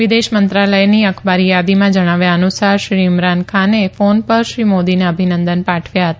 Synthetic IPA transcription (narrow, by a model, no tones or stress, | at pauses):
ʋid̪eʃmənt̪ɾaləjniəkʰbaɾijad̪imãd͡ʒəɽ̃aʋjaənusaɾʃɾimɾankʰanefonpəɾʃɾimod̪inaəbʱinənd̪ənpaʈʰʋjaɦət̪a